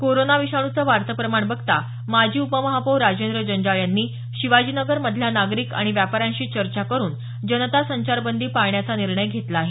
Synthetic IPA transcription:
koɾonaʋiɕaɽ̃ut͡səʋaɾt̪əpɾəmaɳbəɡt̪a | mad͡ʑʱiːupəməɦapəwɾad͡ʑend̪ɾəd͡ʑənd͡ʑaɭjanːiː | ɕiʋad͡ʑiːnəɡəɾməd̪ʱljanaɡɾiːka̰ɽ̃iʋjapaɾjãnɕiːt͡ɕəɾt͡ɕakəɾuːn | d͡ʑənət̪asəɲt͡ɕaɾbənd̪iːpaɭɳjat͡saniɾɳəjɡʱet̪laːɦe

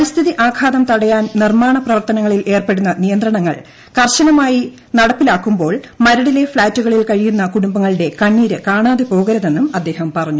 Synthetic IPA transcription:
ɐst̪ʰiðiʔaːkʰaːðɐmt̪ɐɽɐjaːnnirmaːɳɐprɐʋɐrt̪ɐnɐŋːɐɭilʔe̞ːrpe̞ɽunːɐnijɐnd̪ɾrɐɳɐŋːɐ̰ɭ | kɐrɕɐnɐmaːji | nɐɽɐpːilaːkːumbo̞ːɭmɐɾɐɽile̞fɭaːtːuɣɐɭilkɐɻijunːɐkuɽumbɐŋːɐɭiɽe̞kɐɳːiːɾɨkaːɳaːðepo̞ːɣɐɾɐðe̞nːumɐd̪ːe̞ːhɐmpɐrɐɲːu

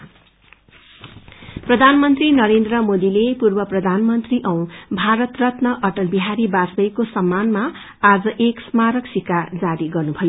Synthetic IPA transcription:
prʌd̪ʱanmʌnt̪rinʌɾend̪rʌmod̪ilepurbʌprʌd̪ʱanmʌnt̪riʔʌw̃bʱaɾʌt̪rʌt̪nʌʔʌʈʌlbiɦaɾibasbʌjkosʌmːanmaː | d͡zʌʔeksmaɾʌksikad͡zaɾiɡʌrnubʱʌjo

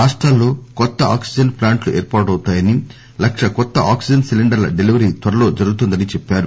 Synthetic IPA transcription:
ɾaːʂʈɾaːlːo̞ːkɔt̪ːɐaːksid͡ʒd͡ʒɐnplaːɳʈluʔeːɾpaːʈɐwt̪aːjɐni | lɐkʂɐkɔt̪ːɐʔaːksid͡ʒɐnsiliɳɖɐɾlɐ̰ɖeliʋɐɾiːt̪ʋɐɾɐlo̞ːd͡ʒɐɾuɡut̪und̪ɐnit͡ʃɛpːaːɾu

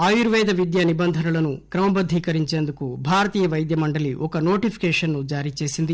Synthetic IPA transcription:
aːjuɾʋɛːd̪ɐʋid̪jɐnibɐnd̪ʱɐnɐɭɐnukɾɐmɐbɐd̪ʱːiːkɐɾiɲt͡ʃeːnd̪ukubʱaːɾɐt̪iːjɐʋɐjd̪jɐmɐɳɖɐliʔɔkɐnoːʈipʰi̥kɛːʂɐnːud͡ʒaːɾit͡ʃe̞ːsind̪i

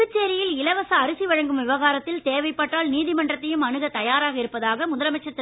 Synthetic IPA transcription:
ɪt͡ʃːeːɾɪjɪlɪlɐʋɐsɐːɾɯsiʋɐɻɐŋɡɯmʋɪʋɐɣaːɾɐt̪ːɪlt̪eːʋɐɪpːaːʈːaːlniːðɪmɐɳɖrɐt̪ːɐjɯmɐɳɯɣɐt̪ɐjaːɾaːɣɐɪɾɯpːɐðaːɣɐmʊðɐlɐmɐt͡ʃːɐt̪ːɪ

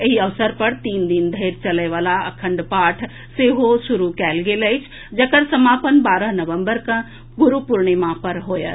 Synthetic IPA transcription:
ɪɦiɐʋsəɾpɐɽt̪iːnd̪ind̪ʱeːɾt͡ɕɐləjʋaːlaɐkʰə̃ɳɖpaːʈʰ | seːɦosʊɾukaːɪlɡeːləɪt͡ʃʰ | d͡ʑɐkəɾsɐmaːpənbaːɾəɦnɐʋə̃mbəɾkɐ̃ | ɡʊɾupʊɾɽ̃emãpɐɾɦoːjə̰

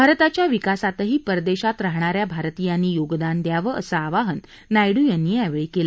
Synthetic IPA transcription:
bʱaɾt̪at͡ɕjaʋikasat̪əɦiːpəɾd̪eɕat̪ɾaɦɳ̃aɾjabʱaɾt̪ijaniːjoɡd̪and̪jaʋəə̰səaʋaɦənː | ajɽuːjanːiɛʋəɭikela

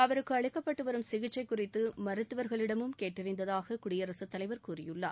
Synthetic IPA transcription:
ɐʋɐɾɯkːɯɐɻɪkːɐpːɐʈːɯʋɐɾɯmsɪɣɪt͡ʃːɐɪkːʊrɪt̪ːɯmɐɾɯt̪ːɯʋɐɾɣɐɭɪɽɐmɯmkeːʈːɪrɪnd̪ɐðaːɣɐkʊɽɪjɐɾɐsɯt̪ːɐlɐɪʋɐɾkuːrɪjɯɭːa̰ː

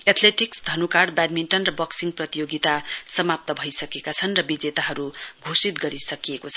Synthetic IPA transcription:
et̪ʰleʈiksd̪ʱʌnukaɽbadminʈʌnrʌbʌksiŋprʌt̪ijoɡit̪asʌmap̚t̪ʌbʱʌjsʌkekat͡sʰʌnrʌbid͡zet̪aɦʌɾuɡʱosit̪ɡʌɾisʌkiekot͡sʰʌ

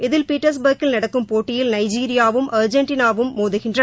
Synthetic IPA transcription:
ɪðɪlpiːʈːɐɾs̬bɐɾkɪlnɐɽɐkːɯmpoːʈːɪjɪlnɐɪd͡ʒiːɾɪjaːʋɯmʔɐɾd͡ʒɐɳʈiːnaːʋɯmːoːðɯɣɪndrɐ

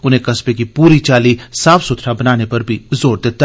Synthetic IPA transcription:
ʊnɦẽkɐspekipuːɾit͡ʃaːlisaːfsʊt̪ʰɾabɐnaːnepɐɾbʱizoːɾd̪eːt̪a

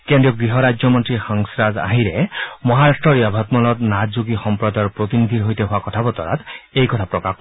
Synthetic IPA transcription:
kendɹiɔɡɹiɦɔɾajd͡ʒɔmɔntɹixaŋsɾaza̰ɦiɾɛmɔɦaɾastɹɔɾiabʱat̪mɔlɔt̪nazuɡixɔmpɹɔd̪aɹpɹot̪inid̪ʱiɾɦojt̪eɦʊwakɔtʰabɔt̪ɔ̰ɾa̰t̪ejkɔt̪ʰapɹɔkak

